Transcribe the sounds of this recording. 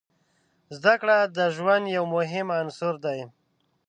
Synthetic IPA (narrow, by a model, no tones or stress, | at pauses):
zd̪akɽad̪əʒwand̪jawmʊɦɪmansʊɾd̪aj